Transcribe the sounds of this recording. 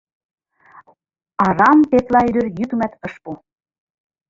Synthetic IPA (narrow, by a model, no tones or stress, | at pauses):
ɑɾɑmp̪et̪lɑyɾøɾjyt̪umæt̪ɤ̆ʃpu